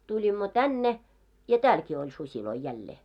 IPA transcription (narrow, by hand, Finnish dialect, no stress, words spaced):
tulʲimːo tænːe jɑ tæːlkiː olʲ susiloi jælːeː